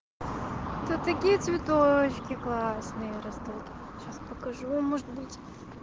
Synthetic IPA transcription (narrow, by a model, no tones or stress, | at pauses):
t̪ot̪ɐkʲijət̪sʲvʲɪt̪ot͡ɕkʲɪklˠasnɨjəɾɐzd̪ɐt̪ | ɕaspɐkɐʐumɔʐɨt̪̚bɨtʲ